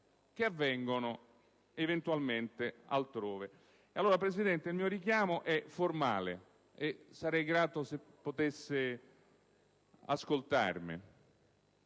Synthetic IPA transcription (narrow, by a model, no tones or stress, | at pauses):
k̟eavːɛŋɡono | event̪ualment̪ɪa̰lt̪ɾoːve | alːoːɾapɾesid̪ɛnt̪ɪilmiːoɾikjaːmoʔɛformaːlḛ | esːaɾɛjɡɾaːt̪osepːot̪esːɪ | a̰skolt̪a̰rmɪ̰